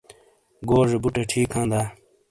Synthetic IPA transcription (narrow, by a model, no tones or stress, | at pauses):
ɡoːʐebuʈeʈʰiːkʰãːnd̪aː